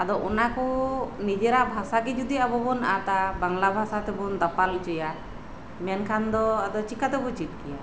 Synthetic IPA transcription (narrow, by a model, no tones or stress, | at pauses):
ad̪ɔʔɔnakɔnid͡ʒɛɾabʱasaɡɛd͡ʒud̪iabɔbɔnat̪abaŋlabʱasat̪ɛbɔnd̪apalt͡ʃɔja | mɛnkʰand̪ɔad̪ɔt͡ʃikat̪ɛbɔt͡ʃit̪̚kɛja